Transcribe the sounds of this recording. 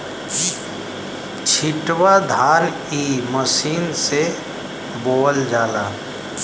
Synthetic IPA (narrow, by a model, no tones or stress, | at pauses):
t͡ʃʰɪʈwad̪ʱaːl | iməsiːnse | boːld͡ʒaːlaː